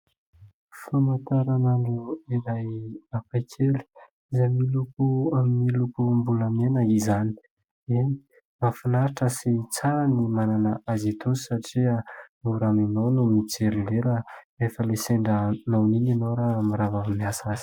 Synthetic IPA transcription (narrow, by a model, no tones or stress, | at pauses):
famant̪aɾananuiɾajapajkʰeli̥ | izamilukuamilukumbuləmenəizani̥ | eni̥ | mafinaɾiʈ͡ʂəsit͡saɾanimananaazit̪ʰusi̥saʈ͡ʂiənuɾaminownumit͡seɾileɾə | efəleseɳɖ͡ʐənawnininowɾamiɾavavimiasazi̥